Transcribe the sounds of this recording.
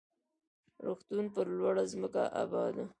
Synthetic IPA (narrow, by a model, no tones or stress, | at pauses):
ɾoxt̪unpəɾlwaɽazməka̰ʔa̰bɑd̪a